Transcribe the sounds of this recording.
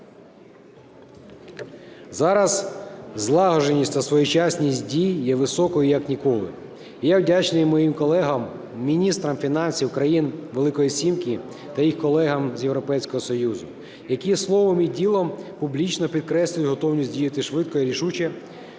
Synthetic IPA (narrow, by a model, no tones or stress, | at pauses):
zɑɾɐzzlˠɑɦɔʒenʲisʲt̪ɐsʋɔjʊt͡ʃɑsʲnʲisʲtʲdʲijːɛʋɪsɔkɔjʊjɐknʲikɔlˠɪ̰ | ijawdʲat͡ʃnɪjmːɔjimkɔlˠɛɦɐmːʲ | inʲist̪ɾɐmfʲinɑnʲsʲiwkɾɐjinʋelˠɪkɔjisʲimki | t̪ɐjixkɔlˠɛɦɐmzʲjewɾɔpɛjsʲkɔɦɔsɔjuzʊ | jɐkʲislˠɔʋɔmidʲilˠɔmpublʲit͡ʃnɔpʲid̪̚kɾɛsʲlʲʊjʊɦɔt̪ɔwnʲisʲdʲijɐt̪ɪʃʋɪt̪̚kɔjɛɾʲiʃut͡ʃɐ